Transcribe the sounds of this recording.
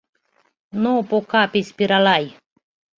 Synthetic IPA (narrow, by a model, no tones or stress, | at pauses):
nopokapisʲpiɾalaj